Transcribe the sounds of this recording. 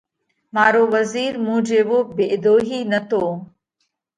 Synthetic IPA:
maːɾoːʋəziːɾmũːd͡ʒeːʋoːbeʔɪd̪oːɦiːnət̪ʰoː

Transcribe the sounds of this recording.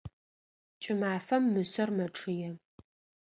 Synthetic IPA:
t͡ʃʼɪmaːfɐmːɨsɐrmɐʈ͡ʂʼʰɨjɛ

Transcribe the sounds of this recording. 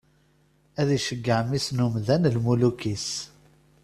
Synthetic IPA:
æðiʃəɡːəʕmisnumðænlmulukis

